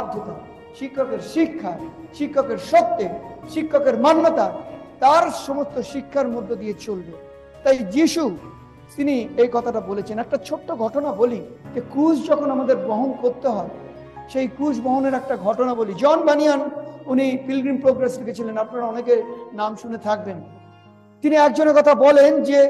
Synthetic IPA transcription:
ad̪ʱːot̪a | ʃikʰːokeɾʃikʰːaʃikʰːokeɾʃɔt̪ːeʃikʰːokeɾmanːat̪at̪aɾʃomost̪oʃikʰːaɾmod̪ʱːod̪iet͡ɕolbe | t̪ajd͡ʑiʃu | t̪iniejkɔt̪ʰaʈabolet͡ɕʰenɛk̚ʈat͡ɕʰoʈːoɡʱɔʈonabolid͡ʑekɾud͡ʑd͡ʑɔkʰonamad̪eɾbɔɦonkoɾt̪eɦɔe | ʃejkɾusbɔɦoneɾɛk̚ʈaɡʱɔʈonabolid͡ʑɔnbanijanunifilɡɾimpɾoɡɾesɾeket͡ɕʰilenapnaɾaɔnekenamʃunet̪ʰak̚ben | t̪iniɛk̚d͡ʑoneɾkɔt̪ʰabɔlend͡ʑe

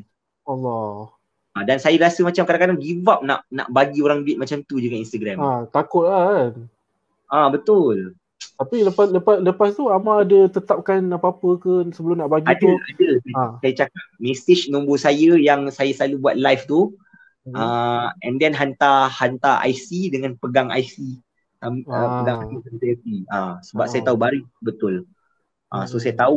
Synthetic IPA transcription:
alːɔ | adansajəɾasəmat͡ʃamkadãkadaŋɡivap̚na̰ʔna̰ʔbaɡioɾaŋbɪt̪̚mat͡ʃamt̪ud͡ʒuɡaninst̪aɡɾɛmat̪akʊt̪̚lan | ʔabət̪ʊl | t̪apiləpasləpasləpast̪uamaːdət̪ət̪ap̚kanapaapəkəsəbəlʊmnaʔbaɡiadəadəsajat͡ʃakat̚meset͡ʃnõmbosajəjaŋsajasəlalubua̰t̪̚lajft̪u | ʔaʔɛ̃ndɛnɦant̪ahant̪aʔa̰jsidəŋãnpəɡaŋa̰jsi | taməpəɡaŋasisəsajətiʔasəbap̚sajat̪aubaɾubət̪ʊl | ʔa̰sosajət̪au

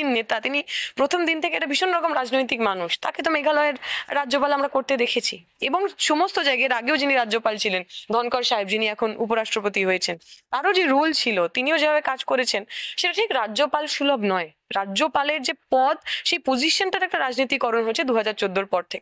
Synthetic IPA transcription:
nːet̪at̪inipɾot̪ʰomd̪int̪ʰekeeʈabʱiʃonɾɔkomɾad͡ʑnojt̪ikmanuʃt̪aket̪omeɡʱalɔeɾːad͡ʑd͡ʑopalamɾakoɾt̪ed̪ekʰet͡ɕʰi | eboŋʃomost̪od͡ʑajɡeɾaɡeod͡ʑiniɾaopalt͡ɕʰilend̪ʱɔnkɔɾʃaɦeb̚d͡ʑiniɛkʰonupoɾaʃʈɾopot̪iɦojet͡ɕʰent̪aɾod͡ʑeɾult͡ɕʰilot̪iniod͡ʑebʱabekad͡ʑkoɾet͡ɕʰenʃeʈaʈʰikɾad͡ʑopalʃulobnɔe | ɾad͡ʑopaleɾd͡ʑepɔd̪ʃejpod͡ʑiʃonʈaɾɛk̚ʈaɾad͡ʑnit̪ikɔɾonɦoet͡ɕʰed̪uɦad͡ʑaɾt͡ɕod̪ːoɾpɔɾt̪ʰekee̥

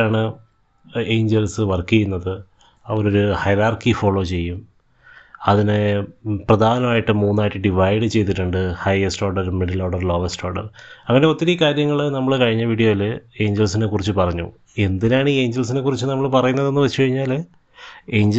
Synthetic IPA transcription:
aːɳɨ | eːɲd͡ʑelsɨʋɐrkijunːɐðɨ | ɐʋɐɾo̞ɾuhɐjɾaːrkifo̞ːɭo̞ːt͡ɕe̞jːum | ɐðineprɐd̪ʱaːnɐmaːjiʈːɨmuːnːaːʈːiɖiʋɐjɖɨt͡ɕe̞jt̪̬ːiʈːuɳɖɨhɐjesʈo̞ːɖɐɾmeɖiloːɽɐrlo̞ːʋesʈo̞ːɖɐ̰rɐŋːɐne̞o̞t̪ːiɾikaːɾjɐŋːɐɭnɐmːɐɭɨkɐɻiɲːɐʋiːɽijo̞ːjile̞ːɲd͡ʑelsinekːurit͡ɕːɨpɐrɐɲːṵ | e̞nd̪inaːɳiːe̞ːɲd͡ʑels̬ine̞kːurit͡ɕːɨnɐmːɐɭpɐrɐjunːɐðe̞nːɨʋɐt͡ɕːukɐɻiɲːaːl | e̞ːɲd͡ʑ

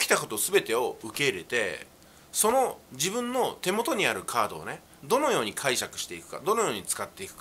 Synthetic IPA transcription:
kʲi̥t̪ako̞t̪o̞sɨbe̞t̪e̞o̞ɯ̟ke̞iɾe̞t̪e̞̰ | so̞no̞d͡ʑibɯ̟̃nːo̞t̪e̞mo̞t̪o̞ɲ̟iaɾɯ̟kʰaːd̪o̞̰ːne̞ | d̪o̞no̞jo̞ːɲ̟ikʰaiɕakɯ̟̥ɕi̥t̪e̞ikɯ̟̥ka̰d̪o̞nojo̞ːɲ̟it͡sɨ̥kat̪ːe̞ikɯ̟̥k

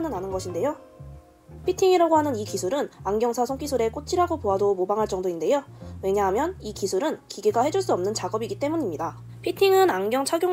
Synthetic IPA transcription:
nɯnɦanɯnɡʌɕʰinde̞jo | pʰitʰiŋiɾaɡoɦanɯnikisʰuɾɯnaŋɡjʌŋsʰasʰoŋk͈isʰuɾe̞k͈ot͡ɕ͈ʰiɾaɡopoadomobaŋɦaɭt͡ɕ͈ʌŋdoinde̞jowe̞ɲaɦamjʌnikisʰuɾɯnkiɡeɡahe̞d͡ʑuɭs͈uʌmnɯnt͡ɕaɡʌbiɡit͈e̞muɲimɲida | pʰitʰiŋɯnaŋɡjʌŋt͡ɕʰaɡjo

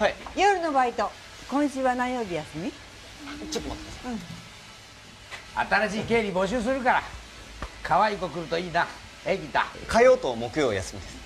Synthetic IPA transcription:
haijoɾɯno̞bait̪o̞ | kõ̞ɰ̃ɕɨːβanajo̞ːbʲijasɨmʲi | t͡ɕot̪ːɯmot̪ːemasɯ̃ɴ | a̰t̪aɾaɕiːke̞ːɾʲibo̞ɕɨːs̬ɨɾɯ̟kaɾa | kʰaβaiko̞kɯ̟ɾɯ̟t̪o̞iːna | eɡʲit̪a̰kajo̞ːt̪omo̞kɯ̟joːja̰sɨmʲid̪esɨ̥

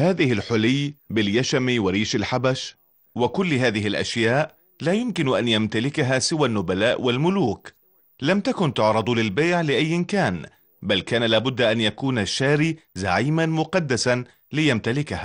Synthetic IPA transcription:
haːðɪhɪlħʊlɪjːbɪljaʃamiːwɪɾiːʃalħabaʃ | wɪkʊlːɦaːðɪɦɪlʔa̰ʃjaːʔ | laːjʊmkɪnʔanjamt̪alɪkaɦaːsɪwanːʊbalaːʔwalmʊluːk | lamt̪akʊnt̪ʊʕɾˤɑd̪ˤlɪlbeːʕlɪʔajːɪnkaːn | balkaːnalaːbʊd̪ːaʔanjakuːnaʃːaːɾiːza̰ʕiːmanmʊqɑd̪ːasan | lɪjamt̪alɪkahaː

